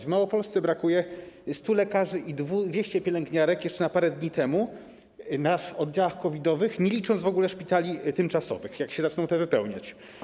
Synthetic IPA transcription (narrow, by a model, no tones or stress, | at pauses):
vmawɔpɔlst̪sɛbɾakujɛst̪ulɛkaʐɘʔid̪vud̪vʲjeɕt͡ɕɛpʲjɛlɛŋɡɲaɾɛkjɛʂt͡ʂɛnapaɾɛd̪ɲit̪ɛmu | nafɔd̪d͡ʑawaxkɔvʲid̪ɔvɘxɲelʲit͡ʂɔnd̪vɔɡulɛʂpʲit̪alʲit̪ɘmt͡ʂasɔ̰vɘxjakɕɛzat͡ʂnɔ̃w̃t̪ɛvɘpɛwɲa̰t͡ɕ